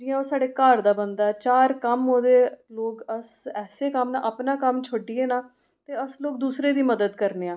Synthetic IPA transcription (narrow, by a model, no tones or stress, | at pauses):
d͡ʒɪːãːoːsaːɖeːkaːɾd̪aːbənd̪aːɛːt͡ʃaːɾkəmoːd̪eːloːkəs | ɛːseːkəmna̰ːʔəpnaːkəmt͡ʃʰoɖiːeːnaː | t̪eːəsloːk̚d̪uːsɾeːd̪iːməd̪əd̪kəɾneːãː